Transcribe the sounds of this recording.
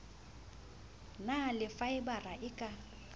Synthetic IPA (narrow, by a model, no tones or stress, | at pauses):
nalɪfaɪbaraʔɪkʼa